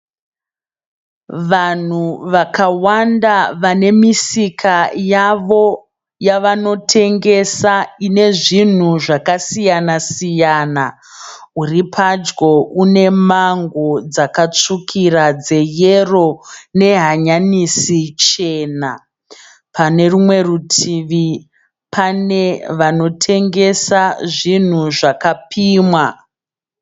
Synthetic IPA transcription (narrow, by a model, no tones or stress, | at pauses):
ʋan̤uʋakawandaʋane̞misikʰajaʋo̞ | jaʋano̞tʰe̞ŋɡe̞saine̞ʐin̤uʐakasijanasijaːna | uripʰad͡ʒɡo̞ʔune̞maŋɡod͡zakat͡ʂukʰirad͡ze̞jero̞ne̞ɦaɲanisit͡ʃe̞ːna | pane̞rumwe̞rutʰiʋi | pʰaneʋano̞tʰe̞ŋɡe̞saʐin̤uʐakapiːmwa